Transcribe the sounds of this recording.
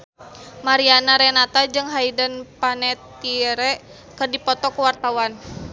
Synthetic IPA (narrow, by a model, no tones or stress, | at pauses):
maɾianaɾɛnat̪ad͡ʒɨŋɦaidənpanɛt̪iɾɛʔ | kɨrdipɔt̪ɔkuwart̪awan